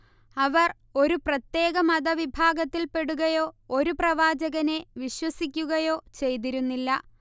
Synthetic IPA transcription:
ɐʋɐr | o̞ɾuprɐt̪je̞ːɣɐmɐd̪ɐʋibʱaːɡɐt̪ːilpe̞ɽuɣɐjo̞ːoɾuprɐʋaːd͡ʑɐɣɐne̞ʋiɕwɐsik̬ʲːuɣɐjo̞ːt͡ɕe̞jt̪̬iɾunːilːɐ

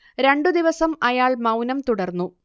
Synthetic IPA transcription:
ɾe̞ɳɖɨd̪iʋɐsɐmɐjaːɭmɐwnɐmt̪uɽɐrnːu

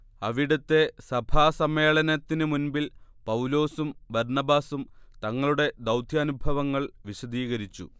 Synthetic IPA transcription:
ɐʋiɽɐt̪ːe̞sɐbʱaːsɐmeːɭɐnɐt̪ːinɨmunbilpɐwlo̞ːsumbɐɾɳɐbaːsumt̪ɐŋːɐɭuɽe̞d̪ɐwd̪ʱjaːnubʱɐʋɐŋːɐɭʋiɕɐd̪iːɣɐɾit͡ɕːṵ

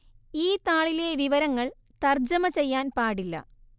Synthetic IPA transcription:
iːt̪aːɭile̞ʋiʋɐɾɐŋːɐɭ | t̪ɐrd͡ʑɐmɐt͡ɕe̞jːaːnpaːɽilːɐ̰

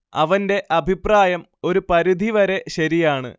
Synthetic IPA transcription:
ɐ̰ʋɐnde̞ʔɐbʱipraːjɐm | o̞ɾupɐɾid̪ʱiʋɐɾe̞ɕɐɾijaːɳɨ̰

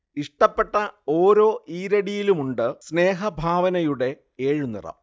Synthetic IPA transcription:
iʂʈɐpːe̞ʈːɐo̞ːɾo̞ːʔiːɾɐɽijilumuɳɖɨsne̞ːɦɐbʱaːʋɐnɐjuɽe̞ | eːɻunḭrɐ̰m

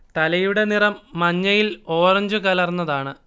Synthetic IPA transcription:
t̪ɐlɐjuɽe̞nirɐmːɐɲːɐjilo̞ːrɐɲd͡ʑukɐlɐrnːɐðaːɳɨ

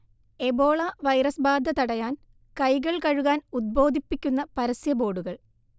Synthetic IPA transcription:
e̞bo̞ːɭɐʋɐjɾɐsbaːd̪ʱːɐt̪ɐɽɐjaːn | kɐjɣɐɭkɐɻuɣaːnud̪̚bo̞ːd̪ʱipːikʲːunːɐpɐɾɐsjɐbo̞ːɽuɣɐɭ

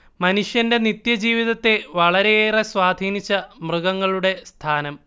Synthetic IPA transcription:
mɐnuʂjɐnde̞nit̪jɐd͡ʑiːʋiðɐt̪ːe̞ʋɐɭɐɾe̞eːreswaːd̪ʱiːnit͡ɕːɐmrɨɣɐŋːɐɭuɽe̞st̪ʰaːnɐm

